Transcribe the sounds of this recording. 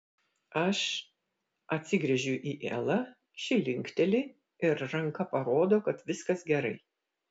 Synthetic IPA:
ɐʃ | ɐt̪ʲsʲɪɡɾʲɛʒʲʊʔiːʔḛlˠɐ | ʃʲɪlʲɪŋʲˑkt̪ʲɛlʲɪ | ɪɾːɐŋkɐpɐɾoːd̪oːkɐt̪ʋʲɪskɐsɡʲɛɾɐɪ

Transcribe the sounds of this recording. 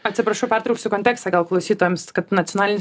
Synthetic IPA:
ɐt̪ʲsʲɪpɾɐʃɐʊpʲært̪ɾɐʊksʲʊkonʲt̪ʲæːkst̪ɑɡɐlˠklˠɐʊsʲiːt̪oːjɛmskɐt̪nɐtt͡s̪ʲoːnɑːlʲɪnʲɪ

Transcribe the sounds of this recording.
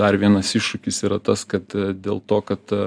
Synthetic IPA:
ɐɾʋʲiɛnɐsɪʃʃʊkʲɪsiːɾɐt̪ɐskɐt̪d̪ʲeːlˠt̪oːkɐt̪

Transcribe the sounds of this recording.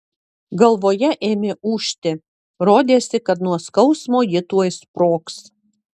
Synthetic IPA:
ɡɐlˠʋoːjɛʔeːmʲeːʔuːʃʲt̪ʲɪ | ɾoːd̪ʲeːsʲɪkɐt̪nuɔskɐʊsmoːjɪt̪uɔjspɾoːks

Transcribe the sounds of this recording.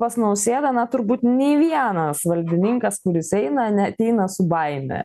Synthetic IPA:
pɐsʲnɐʊsʲeːd̪ɐnɐt̪ʊɾbuːt̪nʲeːʋʲiɛnɐsʋɐlʲd̪ʲɪnʲɪŋkɐskʊɾʲɪsɛɪnɐnʲɛɐt̪ʲɛɪnɐsʊbɐɪmʲɛ̰

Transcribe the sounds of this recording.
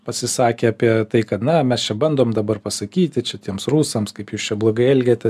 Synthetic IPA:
pɐsʲɪsɑːkʲeːɐpʲiɛt̪ɐɪkɐt̪nɐmʲɛst͡ʃʲɛbɐnd̪oːmd̪ɐbɐrpɐsɐkʲiːt̪ʲɪt͡ʃʲɛt̪ʲiɛmsruːsɐmskɐɪpjuːst͡ʃʲɛblˠoːɡɐɪɛlʲɡʲeːt̪ʲɛ

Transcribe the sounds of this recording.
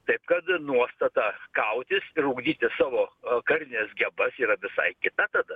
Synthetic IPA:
t̪ɐɪpkɐt̪nuɔst̪ɐt̪ɑːkɐʊt̪ʲɪsɪɾuːɡd̪ʲiːt̪ʲɪsɑːʋoːkɐrʲɪnʲesɡʲɛbɐsiːɾɐʋʲɪsɐ̰ɪkʲɪt̪ɐt̪ɐd̪ɐ

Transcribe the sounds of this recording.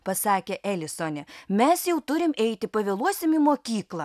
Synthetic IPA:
pɐsɑːkʲeʔɛlʲɪsoːnʲɛmʲɛsjɛʊt̪ʊɾʲɪmɛɪt̪ʲɪpɐʋʲɛlˠuɔsʲɪmimoːkʲiːklˠɐ

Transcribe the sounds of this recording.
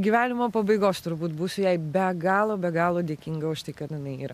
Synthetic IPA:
ɡʲiːʋʲæːnʲɪmoːpɐbɐɪɡoːst̪ʊɾbuːt̪buːsʊjɛɪbʲɛɡɑːlˠoːbʲɛɡɑːlˠoːd̪ʲeːkʲiːŋɡɐʊʃt̪ɐɪkɐt̪ɪnɐɪiːɾɐ

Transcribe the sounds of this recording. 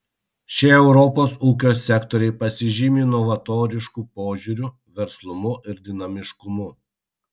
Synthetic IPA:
ʃʲɛɛʊɾɔpoːsuːkʲoːsʲːɛkt̪ɔɾʲɛɪpɐsʲɪʒʲimʲiːnɔʋɐt̪oːɾʲɪʃkuːpoːʒʲuːɾʲu | ʋʲɛɾslˠʊmʊʔɪɾd̪ʲɪnɐmʲɪʃkʊmʊ

